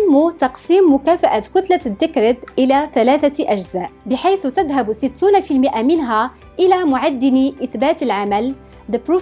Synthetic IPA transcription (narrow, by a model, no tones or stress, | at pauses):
mːut̪ɑqsiːmːʊkæfaʔat̪kʊt̪lad̪ːɪkɾɪd̪ʔəlæθælæːθaʔæʒzaːʔbɪħajθt̪æd̪ɦabsɪt̪ːunafilmɪʔamɪnɦæ | ʔɪlæmʊʕad̪ːɪniʔɪθbaːt̪əlʕamæl | d̪əpɾu